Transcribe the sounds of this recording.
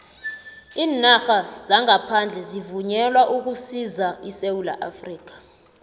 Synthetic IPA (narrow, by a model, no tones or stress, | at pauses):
iːnaxazaŋapʰand͡ɮʱɛzivuɲɛlwaʔuk̬usizaisewula̰ʔafriːk̬ḁ